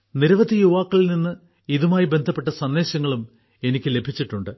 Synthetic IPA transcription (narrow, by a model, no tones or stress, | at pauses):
niɾɐʋɐd̪ijuʋaːkːɐɭilninːɨ | iðumaːjibe̞nd̪ʱɐpːe̞ʈːɐsɐndːe̞ːɕɐŋːɐɭum | e̞nikʲːɨle̞bʱit͡ɕːiʈːuɳɖɨ